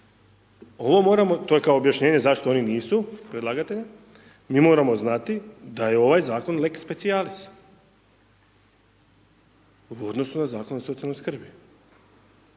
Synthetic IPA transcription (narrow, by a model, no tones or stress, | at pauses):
o̞ʋo̞mo̞ːɾamo̞t̪o̞je̞kaoːbjaʃɲe̞ːɲe̞zaʃt̪o̞o̞niniːsupɾed̪laːɡat̪e̞ʎa | miːmo̞ːɾamo̞znat̪id̪ajeo̞ʋajzaːko̞nlekspe̞t̪sialist̪ | uo̞d̪no̞sunazaːko̞noso̞t̪ialnoskr̩bi